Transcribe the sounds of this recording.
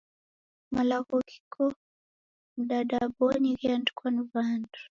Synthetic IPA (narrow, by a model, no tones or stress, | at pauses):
malaɣɔɣi̥kʰɔ | m̩dadabɔniɣiandkwanuvandu̥